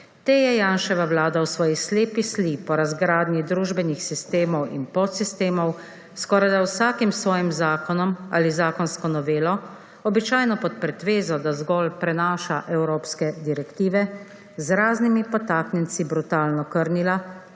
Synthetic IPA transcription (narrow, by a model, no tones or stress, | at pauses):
t̪eːjɛjaːnʃɛʋawlaːd̪awsʋɔːjisleːpislipɔɾazɡɾaːd̪nid̪ɾuːʒbɛnixsist̪eːmɔwḭnpɔt̪sist̪eːmɔw | skɔːɾajd̪awsaːkimsʋɔːjimzaːkɔnɔma̰ːlizaːkɔnskɔnɔʋeːlɔ | ɔbit͡ʃaːjnɔpɔt̪̚pɾɛt̪ʋeːzɔd̪azɡɔːlpɾɛnaːʃaʔɛwɾoːpskɛd̪iɾɛkt̪iːʋɛ | zɾaːznimipɔt̪aːknjɛnt̪sibɾut̪aːlnɔkəɾnila